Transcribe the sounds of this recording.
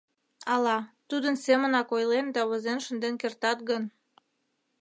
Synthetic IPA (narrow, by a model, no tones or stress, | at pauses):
ɑlɑt̪ud̪ənsemənɑkojlend̪ɑβozenʃənd̪enkert̪ɑt̪̚ɡən